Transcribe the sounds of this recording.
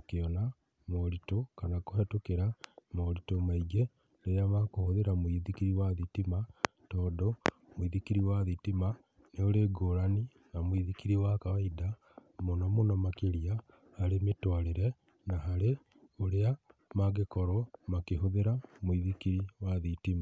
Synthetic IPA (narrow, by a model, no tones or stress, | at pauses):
okeɔna | moɾitokanakohɛtokeɾamoɾitomaiɡe | ɾeɾeamakohoðeɾamwiðikiɾiwaðitima | tɔːdɔ | moiðikiɾiwaðitima | neoɾeɡoːɾani | namwiðikiɾiwakawaida | monɔmonɔmakeɾija | haɾemetwaɾeɾɛ | naɦaɾe | oɾeamaɡekɔɾɔmakeɦoðeɾamwiðikiɾiwaðitima